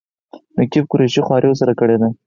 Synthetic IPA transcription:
nʊkifkʊɾeʃixwɑɾʔiwos̬aɾakəɽed̪a

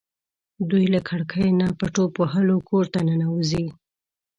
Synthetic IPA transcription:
d̪ujlakʰaɽkʰəjnapaʈopoɦəlokʰoɾt̪anənawuzi

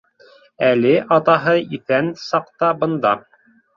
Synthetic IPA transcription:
ælɘʔɑt̪ɑɦɤiθænsɑqt̪ɑbɤ̆nd̪ɑ

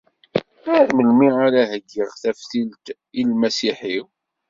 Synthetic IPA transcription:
æɾməlmiaɾæɦəɡːiʁθæfθilt̪ | ilmæsiħiw

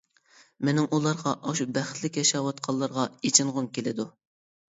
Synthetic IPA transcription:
menɪŋʔulˠɑɾʁɑʔɑʃubæχt̪lɪkʲjɑʃɑːwɑt̪̚qʰɑlˠːɑɾʁɑet͡ʃʰɪŋʁʊmkʲelɪd̪u

